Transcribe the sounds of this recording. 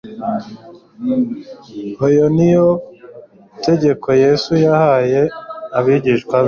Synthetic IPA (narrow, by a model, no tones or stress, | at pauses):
ojonijo | te̞ɟe̞kʰo̞je̞sujahaːje̞aβiɟiʃkwaβ